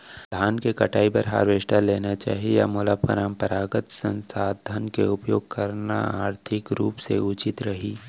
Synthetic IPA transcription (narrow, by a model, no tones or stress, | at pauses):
d̪ʱaːnkekɐʈaːipɐɾɦa̰ːɾʋeːʃʈaleːnat͡ʃa̰ːɦija̰mʊlapə̰ɾampəɾaːɡət̪sə̃nsaːd̪ʱənkeʊpjoːɡ̚kɐɾna̰aːɾt̪ʰɪkɾuːpsḛʊt͡ʃɪt̪ɾɐɦiː